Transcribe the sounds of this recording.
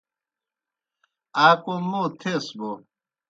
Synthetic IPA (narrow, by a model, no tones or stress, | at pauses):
aːkomot̪ʰesbo